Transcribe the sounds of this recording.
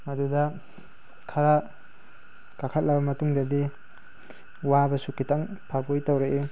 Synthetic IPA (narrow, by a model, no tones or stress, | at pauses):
ɐdudɐ | kʰaɾa | kakʰat̚lɐbɐmɐtuŋdɐdi | wabɐsukitʰaŋpʰapujtawɾeʔe